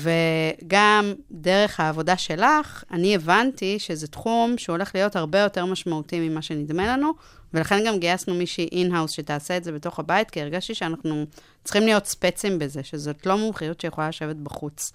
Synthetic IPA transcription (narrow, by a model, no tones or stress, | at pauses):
ve̞ɡamdeʁe̞χhaːvo̞daʃe̞laχanievantiʃezetχumʃeuole̞χlijo̞thaʁbe̞jo̞te̞ʁmaʃmautimimaʃe̞nidmenlanu | velaχe̞nɡamɡijasnumiʃiʔinɦawsʃe̞taːseetze̞beto̞χhabaitkieʁɡaʃtiʃeanaχnu | t͡sχimlijo̞tspet͡simbeze̞ʃezo̞tlo̞mumχajutʃejeχolalaʃe̞vet̚baχut͡s